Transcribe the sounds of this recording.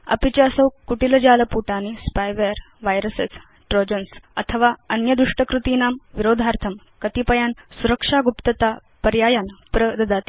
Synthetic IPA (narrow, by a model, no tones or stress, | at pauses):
ɐ̰pit͡ɕaəsəwkuʈilɐd͡ʑaːləpuʈaːnispajʋeɾ | ʋajɾəset͡s | ʈɾod͡ʑənsə̰t̪ʰəʋaənjəd̪ɾuʂʈəkɾut̪iːnaːmʋiɾoːd̪ʱaɾt̪ʰəm | kət̪ipəjansuɾəkʂaɡupt̪ət̪a | pəɾjaːjanpɾəd̪əd̪at̪i̥